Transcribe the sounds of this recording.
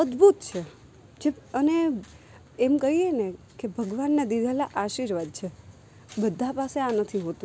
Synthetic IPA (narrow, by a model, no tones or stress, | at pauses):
əd̪bʱut̪t͡ʃʰe | d͡ʒeəne | emkəɦiene | kebʱəɡʋanːed̪id̪ʱelaʔaʃiɾʋad̪̚t͡ʃʰe | bəd̪ʱːapaseanət̪ʰiɦot̪ũ